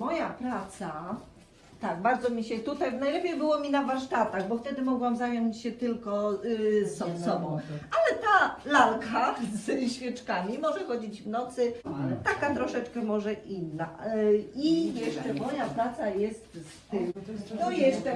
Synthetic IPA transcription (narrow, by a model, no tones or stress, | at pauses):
mɔjapɾat̪sa | t̪aɡ̚baɾd̪zɔmʲiɕɛt̪ut̪ajnajlɛpʲjejbɘwɔmʲinavaɾʂt̪at̪aɣbɔft̪ɛd̪ɘmɔɡwamzajɔɲt͡ɕɕɛt̪ɘlkɔsɔsɔbɔ̃w̃alɛt̪alalkʰazɕfʲɛt͡ʂkamʲimɔʐɛxɔd͡ʑid͡ʑvnɔt̪sɘt̪akat̪ɾɔʂɛt͡ʂkɛmɔʐɛʔinːa | ijɛʂɛmɔjapɾat̪sajɛst̪st̪ɪnɔjɛst͡ʂɛ